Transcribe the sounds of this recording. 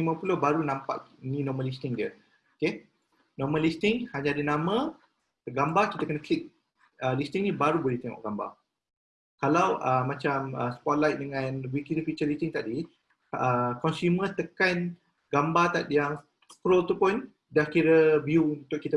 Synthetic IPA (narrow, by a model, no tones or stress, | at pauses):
məpulobaɾunãmpa̰ʔnĩnɔməlist̪ɪŋdə | oke | nɔməlist̪ɪŋhaɲaadənamə̃ | əɡambakit̪əkənəklik̚ | əlist̪iŋnĩbaɾubolɛht̪ɛŋɔ̰ʔɡamba̰ | kalawəmãt͡ʃamə̰sə̥pɔt̪̚lajt̪̚dəŋãnwikit̪ifit͡ʃəlist̪ɪŋt̪adi | əkɔnsumət̪əkan | ɡambat̪at̪jaŋ | kɾolt̪upʊn | dahkiɾəbiuunt̪ʊʔkːit̪ə